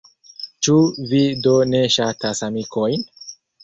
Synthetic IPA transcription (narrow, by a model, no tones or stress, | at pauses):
t͡ʃuvidone̞ʃatasamikʰo̞jn